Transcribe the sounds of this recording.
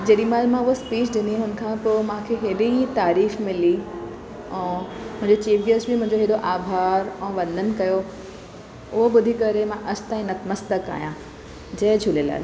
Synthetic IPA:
d͡ʑeːɗimaːlmãʊɦospiːt͡ɕɗɪnd̪iɦʊn̆kʰãːpoːmãːkʰeɦeːɗit̪aːɾiːfmɪli | ɛ̃ːmʊ̃ɦɪ̃ɲd͡ʑet͡ɕiːfɡesbɪmʊ̃ɦɪ̃ɲd͡ʑoɦeɗoʔaːbʱaːɾɛ̃ːʋɐ̃nd̪ʱənɪ̆kɐjo | ʊɦoɓʊd̪ʱikɐɾemãʔɐsʰt̪ãːĩnɐt̪məst̪əka̰ːijã | d͡ʑɐɦd͡ʑʱʊlela̰ːl

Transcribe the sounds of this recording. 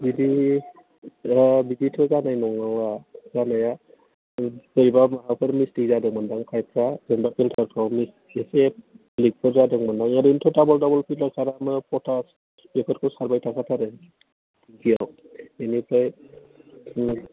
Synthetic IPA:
bidi | biditʰɔzanajnɔŋawazanaja | kɯɾibamaɦawpʰɯɾmisdizadɯŋmandaŋkʰajpʰɾazembakʰiltʰaɾpʰawmis | ese | lik̚pʰɔɾzadɯŋmandaŋaɾintʰɔtabɔldɔbɔlpʰitlasaɾamɯpɔtʰas | bɛkʰɔtkʰɔsaɾbajtʰakʰatʰaɾɛ | ɡijaw | enipʰɾaj

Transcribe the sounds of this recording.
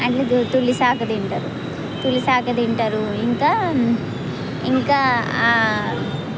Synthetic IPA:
ɐʈled̪ut̪ulːisaːkɐd̪eɳʈɐːɾu | t̪ulːisaːkɐd̪eɳʈaːɾuiŋkaː | iŋkaː

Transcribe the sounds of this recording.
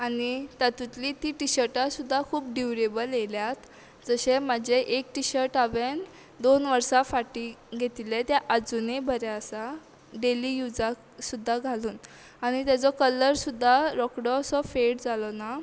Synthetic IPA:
anit̪at̪ut̪lit̪iʈiɕəɾʈasud̪ʱːakʰuːp̚ɖuʋɾebəljeljat̪ | d͡zəɕemad͡ʑeʔekʈiɕəɾʈaʋen | d̪onʋəɾsafaʈiɡʱet̪ilet̪jaʔad͡zunebʱəɾɛəsa | ɖelijud͡zak | sud̪ʱːaɡʱaluːn | aɽ̃it̪jat͡sɔkələɾsud̪ʱːaɾɔkɽɔsɔfeɽd͡zalɔna

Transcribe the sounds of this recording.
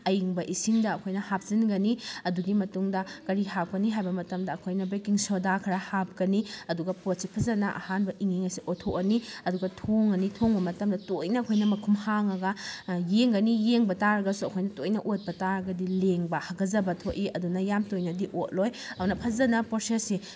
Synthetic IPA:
ɐjiŋbɐʔisiŋdɐːkʰojnɐhap̚zinɡɐniɐduɡimɐtuŋdɐkɐɾihap̚kɐniɦajbɐmɐtɐmdɐːkʰojnɐbekiŋsodakʰɐɾahap̚kɐniɐduɡɐpot̚sipʰɐzɐnɐʔa̰hanbɐʔiŋiŋɐsiʔotʰoʔɐniɐduɡɐtʰoŋɐnitʰoŋbɐmɐtɐmdɐtojnɐːkʰojnɐmɐkʰumhaŋɐɡɐjeŋɡɐnijeŋbɐtaɾɐɡɐsuɐkʰojnɐtojnɐʔot̚pɐtaɾɐɡɐdileŋbɐhɐɡɐzɐbɐtʰoʔiɐdunɐjamtojnɐdiʔot̚lojɐnɐpʰɐzɐnɐposesi

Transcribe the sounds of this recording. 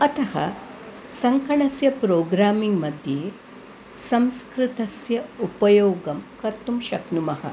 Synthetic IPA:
ɐt̪ɐhɐ̰ | sɐŋkɐɳɐsjɐpɾoːɡɾaːmiŋɡmɐd̪ʱjeː | sɐmskɾit̪ɐsjɐupɐjoːɡɐmkɐɾt̪umʃɐknumɐhɐ̰

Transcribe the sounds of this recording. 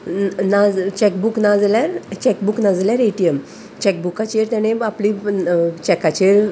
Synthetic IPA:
nad͡zt͡ɕɛkbuknad͡zljaɾt͡ɕɛkbuknad͡zljaɾeʈijəm | t͡ɕɛk̚bukat͡ɕeɾt̪jaɽ̃ẽapliːt͡ɕɛkat͡ɕeɾ

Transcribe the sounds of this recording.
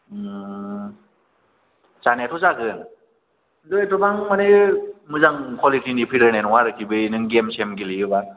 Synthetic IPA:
t͡ʃanetʰɔzakɯn | lojetɔbaŋmanemɯzaŋkʰɔlitinipʰiɾɯnenwaɾɯkʰibɯjnɯŋɡemsemɡilijɯban

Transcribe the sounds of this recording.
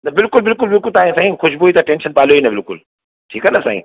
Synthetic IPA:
nɐbɪlkʊlbɪlkʊlbɪlkʊlt̪aːĩsãːĩxʊʃboit̪ɐʈẽːnʃənpaːlijoinɐbɪlkʊ̰l | ʈʰiːkɐnɐsa̰ːɦḭ̃ː

